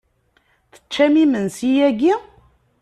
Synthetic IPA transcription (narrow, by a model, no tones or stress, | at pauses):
θə̥t͡ʃːæmimənsijæɡi